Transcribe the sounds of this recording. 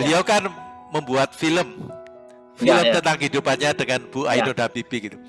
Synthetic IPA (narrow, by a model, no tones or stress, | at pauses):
bəliawkanməmbuat̪̚filəm | filət̪ənt̪aŋkəɦidupanɲadəŋanb̥uʔainodabibiɡit̪u